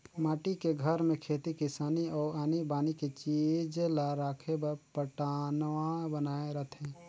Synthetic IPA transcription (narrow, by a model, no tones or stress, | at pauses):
maːʈikeɡʱəɾmẽkʰeːt̪ikɪsaːniɔːɾaːnibaːniket͡ʃid͡ʒlaɾaːkʰebpəʈanwabənaːeɾəɦt̪ʰɦɛ̃ː